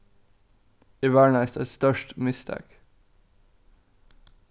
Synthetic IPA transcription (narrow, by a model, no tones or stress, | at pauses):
ɪʋæːɳæɪst̪æ̰st̪œʃʈmɪst̪ʰɑ̰ːk